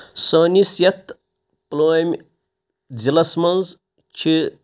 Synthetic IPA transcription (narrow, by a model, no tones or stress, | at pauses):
sɐːnisjɐt̪ | ploːmʲ | d͡zilɐsmɐnz | t͡ʃʰi